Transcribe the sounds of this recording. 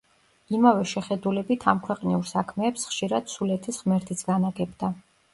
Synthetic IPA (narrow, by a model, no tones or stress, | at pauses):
imavɛʃɛχɛd̪ulɛbit̪ʰamkʰwɛqʼniuɾsakʰmɛːpsχʃiɾad̪̥sulɛt̪ʰisʁmɛɾt̪ʰit̪sʰɡanaɡɛbd̪a